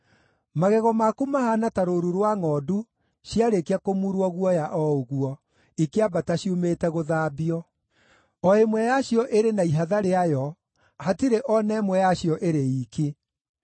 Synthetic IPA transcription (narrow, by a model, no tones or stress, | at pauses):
maɣɛɣɔmakumahanataɾoɾuɾwaŋɔdu | ɕjaɾekeakomuɾwɔɣwɔjaʔɔoɣuɔ | ikeabataɕiumetɛɣoðaːbiɔ | ɔemwɛjaɕjɔʔeɾenaiɦaðaɾeajɔ | hatiɾeʔɔnɛmwɛjaɕjɔʔeɾeiːke